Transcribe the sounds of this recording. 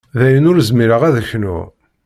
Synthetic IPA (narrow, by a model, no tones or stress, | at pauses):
ðæjənʊɾəzmiɾəʁæðəçnṵ